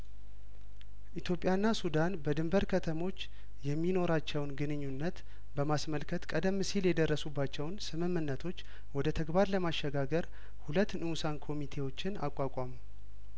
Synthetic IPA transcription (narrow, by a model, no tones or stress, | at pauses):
ʔit̪ʰjo̞pʼjanːasud̪anbəd̪ɨmbəɾkʰət̪ʰəmo̞t͡ʃː | jɛmːino̞ɾat͡ʃːɛwnɡɨnɨɲːunːət̪ | bəmasməlkʰət̪kʼəd̪əmːɨsiljɛd̪ərːəsubːat͡ʃːɛwnsɨmɨmːɨnːət̪ʰo̞t͡ʃː | wɔd̪ət̪ʰəɡbaɾləmaʃɛɡaɡəɾ | hulət̪ːnɨwusankʰo̞mit̪ʰe̞wo̞t͡ʃːɪna̰kʼakʼamu